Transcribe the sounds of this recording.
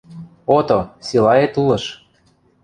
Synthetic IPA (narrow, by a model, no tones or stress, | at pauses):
ot̪osilɑet̪ulɤ̆ʃ